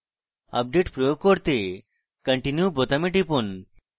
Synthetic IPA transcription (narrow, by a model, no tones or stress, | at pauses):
ɐ̰p̚ɖeʈpɾojoɡ̚kːoɾt̪e | kəɳʈinjubot̪ameʈipon